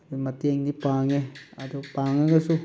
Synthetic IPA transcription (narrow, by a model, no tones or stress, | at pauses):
imat̪eŋd̪ipaŋead̪upaŋeɡasu